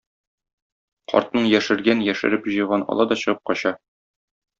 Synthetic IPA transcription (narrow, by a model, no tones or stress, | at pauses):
qʰɒ̰ɾt̪̚nɤɴjæʃɘ̆ɾɡænjæʃɘ̰̆ɾɘpʑɤ̆jʁɑnɒ̰lˠɑd̪ɒɕɤ̆ʁɤp̚qɒɕɑ